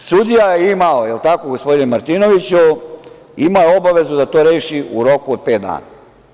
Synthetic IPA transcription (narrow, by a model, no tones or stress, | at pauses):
sud̪ijajeimaojelt̪akoɡospo̞d̪inemaɾt̪inoʋit͡ɕu | imajo̞baʋe̞zud̪at̪oːɾeːʃiuɾo̞kuod̪̚peːt̪̚d̪a̰ːna̰